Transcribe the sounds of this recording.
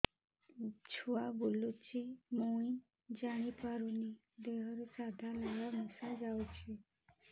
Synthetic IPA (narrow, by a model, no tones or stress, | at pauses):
t͡ɕʰuabulut͡ɕimoin | d͡ʑaɽ̃ipaɾuni | d̪eɦəɾsad̪ʱalaɡamusad͡ʑawt͡ɕi